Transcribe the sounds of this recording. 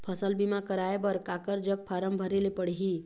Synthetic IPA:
pʰəsəlbimakəɾaebəɾkakəɾd͡ʒəɡ̚pʰaɾəmbʱəɾelepəɽ̤ɦi

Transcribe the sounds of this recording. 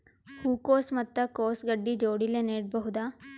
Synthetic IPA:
huːkoːsmɐt̪ːɐkoːsɡɐɖːid͡ʒoːɽileneːʈ̚bɐɦud̪aː

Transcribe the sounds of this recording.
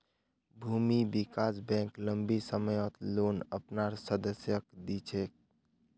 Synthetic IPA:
bʱuːmibɪkaːs̬bɛ̃ːkləmbisəməjɔt̪loːnəpnaːɾsəd̪əsjəkd̪it͡ʃʰeːk̚

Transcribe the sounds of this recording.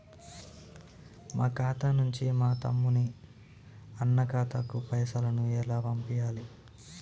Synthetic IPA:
maːkaːt̪aːnuɲt͡ʃimaːt̪ɐ̰mːuni | ɐnːɐkaːt̪ɐkupɐjɐsɐlɐnuɛlaːʋɐmpijaːli

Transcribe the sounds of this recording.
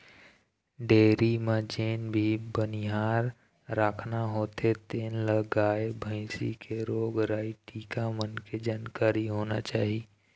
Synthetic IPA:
ɖeːɾimad͡ʒeːnbʱibənɪɦaːɾː | aːkʰnaɦoːt̪ʰet̪eːnləɡaːebʱə̃ɪ̃sḭkʰeɾoːɡɾaːiʈiːkamənked͡ʒaːnkaːɾiɦoːna̰t͡ʃaːɦi

